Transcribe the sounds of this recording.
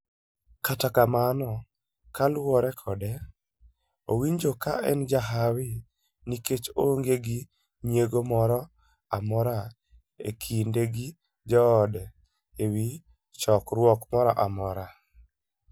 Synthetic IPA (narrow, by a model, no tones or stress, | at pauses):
katakamanɔ | kalwɔɾɛkʰɔdɛ | owiɲd͡ʒoka̰ɛ̰nd͡ʒaɦawɪ | niket͡ʃoŋɡeɡi | ɲjeɡomɔɾɔ | amɔɾa | ḛkʰindeɡi | d͡ʒɔːdɛ | ewi | t͡ʃɔkɾwɔkmɔɾɔʔamɔɾa